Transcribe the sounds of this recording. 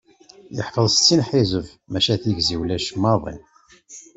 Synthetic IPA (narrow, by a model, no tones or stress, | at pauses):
jə̰ħfəðˤst͡sːinħizəv | mæʃæθiʝziwlæʃmːɑðˤḭn